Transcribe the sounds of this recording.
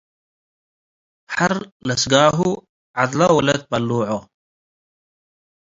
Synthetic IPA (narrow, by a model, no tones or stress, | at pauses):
hɐɾlɐsɡaːɦu | ʕad̪lawɐlɐt̪̚pɐlːuːʕo